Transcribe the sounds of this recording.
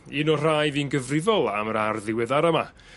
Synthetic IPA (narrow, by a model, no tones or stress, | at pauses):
inɔr̥ajðiːnɡəvrɪvɔlˠaməɾarðɪwɛðaɾəma